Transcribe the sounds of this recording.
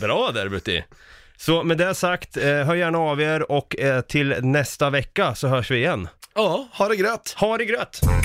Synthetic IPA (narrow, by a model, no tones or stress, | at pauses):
bɾɑːd̪æ̰ɾbʉt̪ːɪ̰ | sɔmɛd̪ɛasakt̪ɦœːɾjæːɳaɑːveːɾɔkːt̪ʰɪlnɛst̪avɛkːasɔɦœːʂvɪːjɛnːɑːhaɖɛɡɾøːt̪haɖɛɡɾøːt̪